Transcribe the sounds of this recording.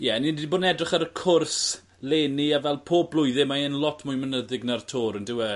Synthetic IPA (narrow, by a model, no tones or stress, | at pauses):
jɛninidiboːdnɛdrɪχaɾəkʰʊrs | leːniavɛlˠpʰoːblˠʊjðɪmaenlˠɔtʰmʊjmənəðɪɡnartʰoːɾəndɪwɛ